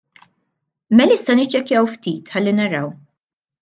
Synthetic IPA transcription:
mɛlɪsːɐnɪt͡ʃːɛkjɐwft̪iːt̪ħɐlːinɐɾɐw

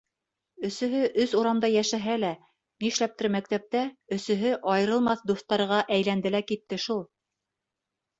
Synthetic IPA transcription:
ɵ̆sɵ̆ɦɵʔɵsuɾɑmd̪ɑjæʃæɦælæ | niʃlæp̚t̪ɘɾmæk̚t̪æp̚t̪æɵ̆sɵ̆ɦɘʔɑjɤ̆ɾɤ̆lˠmɑθd̪uθt̪ːɑɾʁɑʔæjlænd̪ɘlækit̪ːɘʃulˠ

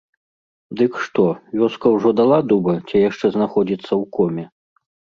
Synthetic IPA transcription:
d̪ɨkʂt̪ɔvʲɔskɐwʐɔd̪alˠad̪ubɐt͡sʲɛjaʂt͡ʂɛznaxɔd͡zʲit̪sːɐwkɔmʲɛ

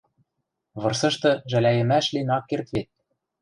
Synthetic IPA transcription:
βɤ̆rsɤ̆ʃt̪ɤ̆ʒælæjɘ̆mæʃlinɑkːert̪βet̪̚

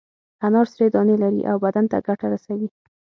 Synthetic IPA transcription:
anɑɾsɾed̪ɑnelaɾḭʔawbad̪ant̪a̰ɡaʈaɾasawi

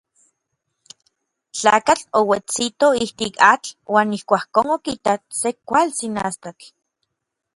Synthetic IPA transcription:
t͡ɬa̰ːkat͡ɬowet͡sit̪oiht̪ikat͡ɬwʔaːnihkʷaːhkoːnokit̪asekʷalt͡sina̰st̪ak

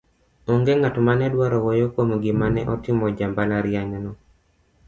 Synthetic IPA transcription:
oŋɡeŋatomanɛdwaɾɔwojokwomɡɪmanɛʔɔtɪmɔd͡ʒambalaɾjaɲɔnɔ

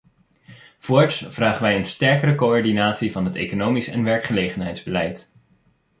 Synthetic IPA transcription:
v̥ʊːɹtsv̥raːχənʋɛjənstɛɹkəɾəkoɔɹdinaːtsivɑnɦətḛjkonowmisɛ̰nʋɛɹkχəlejχənɦɛjdzbəlɛjt

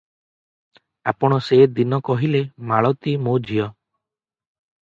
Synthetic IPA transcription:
apɔɽ̃ɔsed̪inɔkɔɦilemaɭɔt̪imod͡ʒʱijɔ

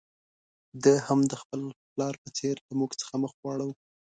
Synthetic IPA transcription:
d̪əhamd̪əxpəlplɑɾpət͡seɾlamuɡt͡sə̥xaməxɣwɑɽaw

